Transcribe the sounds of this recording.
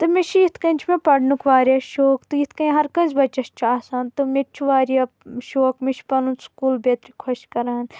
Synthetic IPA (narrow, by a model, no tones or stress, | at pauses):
t̪ɨmeʃʰijit̪ʰkɐnʲt͡ʃʰmẽpɐɽnukʰʋaːɾaːʃoːkt̪ɨjit̪ʰkɐĩɦɐɾkɐ̃zbɐt͡ʃːɐʃt͡ʃʰaːsaːnt̪ɨmet͡ʃʰuʋaːɾija | ʃoːkmet͡ʃʰpɐlũskuːlbeːt̪ɾikʰɐʃkɐɾaːn